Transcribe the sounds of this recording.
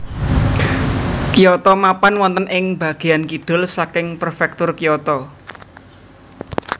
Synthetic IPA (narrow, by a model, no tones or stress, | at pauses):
kijɔt̪ɔmapanwɔnt̪ənʔɪŋb̥a̤ɡ̥e̤ankiɖ̥ʊ̤lsakɪŋprfɛk̚t̪ʊrkijɔt̪ɔ